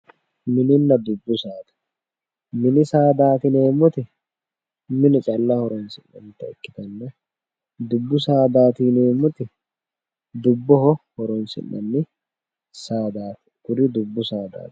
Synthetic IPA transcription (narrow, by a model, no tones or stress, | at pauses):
mɪnɪnːɐd̪ʊbːʊsaːt̪ɐ̥ | mɪnɪsaːd̪aːt̪ɪneːmʊt̪ɪ | mɪnɪt͡ʃʼɐlːɐhɔɾɔnsɪnːɐ̰nt̪ɛɛkːɪt̪ɐnːɛ | d̪ʊbːʊsaːd̪aːt̪ineːmʊt̪ɪ | d̪ʊbːɔhɔhɔɾɔnsɪ̰nːɐ̰nːɪ | saːd̪aːt̪ɪ̥ɡʊɾɪd̪ʊbːʊsaːd̪a̰ːt̪ɪ̥